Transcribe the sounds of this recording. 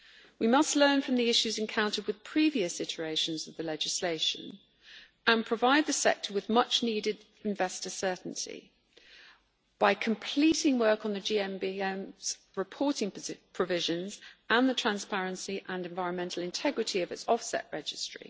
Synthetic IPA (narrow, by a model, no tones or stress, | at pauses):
wimʌstˡlɜ̃ːnfɹə̃mðiɪʃʉzɛ̃nkʰãʊ̃ntəd̚wɪð̥pʰɹ̥iːviəsɪt͡ʃʉeɪʃə̃nzəvðəlɛd͡ʒɪsleɪʃə̰̃n | ə̃npʰɹ̥əvaɪd̪̚ðəsɛ̰k̚tʰəwɪðmʌt͡ʃniːdɪd | ɪ̃ɱvɛstəsɜˑʔn̩tʰḭ | b̥aɪkʰə̃mpʰl̥iˑtɪ̃ŋwɜˑkn̩ðəd͡ʒiːɛ̃mbiɛ̃mz̥ | ɹɪpʰɔˑtɪ̃ŋpʰɹ̥əvɪʒə̃nzə̃nðətʰɹ̥ãnspæɹə̃nsiʔə̃nɛ̃ɱvaɪə̃nmɛ̃ntʰˡl̩ˠɪ̃ntʰɛɡɹɪtʰiəvɪtsɒfsɛ̰ʔɹɛd͡ʒɪstɹ̥ḭ